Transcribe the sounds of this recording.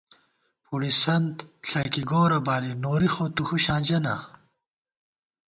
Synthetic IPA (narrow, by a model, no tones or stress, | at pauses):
puɽisɐnt̪ɬʰɐkiɡoːɾɐbaːɾinoːɾixoːt̪uhuɕãːd͡ʑɐna̰